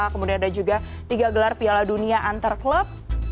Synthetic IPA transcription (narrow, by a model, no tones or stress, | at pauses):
akəmudianadad͡ʒuɡa | t̪iɡaɡəlarpialaduniaʔant̪arkləp̚